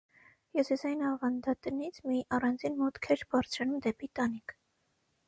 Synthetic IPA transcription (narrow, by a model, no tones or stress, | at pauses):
jɔsɛsɑinɑvɑnd̪ɑt̪nit͡sʰmiʔɑrɑnd͡zinmɔt̪kʰɛɾbɑɾt͡sʰɾɑnumd̪ɛpit̪ɑnikʰ